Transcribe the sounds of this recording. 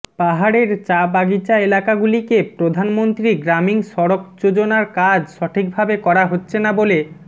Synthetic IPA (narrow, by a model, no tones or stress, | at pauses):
paɦaɽeɾt͡ɕabaɡit͡ɕaelakaɡulikepɾod̪ʱanmont̪ɾiɡɾamiŋʃɔɽokd͡ʑod͡ʑonaɾkad͡ʑʃɔʈʰik̚bʱabekɔɾaɦotːɕʰenabole